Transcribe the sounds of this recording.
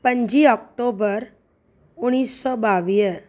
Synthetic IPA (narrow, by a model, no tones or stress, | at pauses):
pəɲd͡ʒiɔk̚ʈobəɾ | uɽ̃isːɔbaʋie